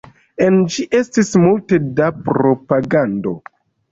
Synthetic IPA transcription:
e̞nd͡ʒiʔe̞stismulte̞dapɾo̞paɡando̞̰

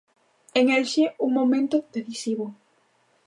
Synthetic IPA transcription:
eŋelʃeuŋmomẽnt̪ʊðeθisiβo

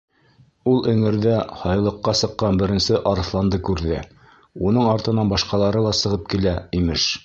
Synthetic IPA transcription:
ulˠɵ̆ŋɘ̆ɾðæhɑjlˠɤ̆qːɑsɤ̆qːɑnbɘ̆ɾɘ̆nsɘʔɑɾɤ̆θlˠɑnd̪ɤkʉɾðɘ | unɤɴɑɾt̪ɤ̆nɑnbɑʃqɑlˠɑɾɤlˠɑsɤ̆ʁɤp̚kilæimɘʃ

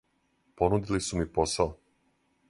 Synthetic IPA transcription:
po̞nud̪ilisumipo̞sao

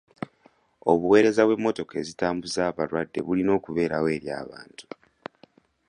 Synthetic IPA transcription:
o̞βuwe̞ːɾe̞zaβwe̞mːo̞to̞ke̞zitaːmbuzaːβaɾwadːe̞̰βulino̞ːkuβe̞ːɾawe̞ːɾja̰ːβa̰ːntu̥

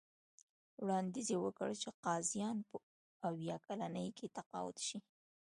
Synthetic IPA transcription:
wɽɑnd̪izewəkəɽt͡ʃeqɑzijɑnpə | awjɑkalanəjkʰet̪aqɑ̰wʊ̰t̪ʃi

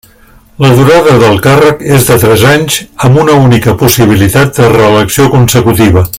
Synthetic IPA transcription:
ləðuɾaðəðəlˠkarəkezðət̪ɾɛzaɲzəmbunəunikəpusiβ̞ilit̪at̪̚d̪ərəːləksiokunsəkut̪iβ̞ə

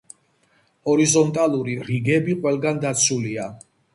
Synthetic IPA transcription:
ɔɾizɔnt̪ʼalˠuɾiɾiɡɛbiqʼwɛlˠɡand̪at̪sʰulia

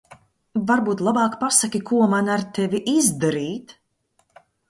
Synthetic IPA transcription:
vaɾbuːt̪lˠabɑːkpasakʲikuɔmanaɾt̪ɛviʔizd̪aɾiːt̪

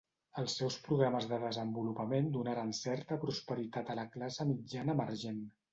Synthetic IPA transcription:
əlˠsːɛwspɾuɣɾaməzðəðəzəmbulupəmend̪unaɾansɛɾt̪əpɾuspəɾit̪at̪ələklasəmid͡ʒanəməɾʒen

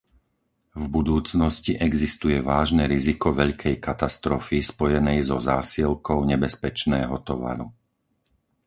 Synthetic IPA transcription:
vbud̪uːt͡snɔsciʔɛɡzist̪ujɛʋaːʒnɛɾizikɔʋɛʎkʰɛjkat̪ast̪ɾɔfispɔjɛnɛjzɔzaːsilkɔʊɲɛbɛspɛt͡ʃnɛːɦɔt̪ɔʋa̰ɾu

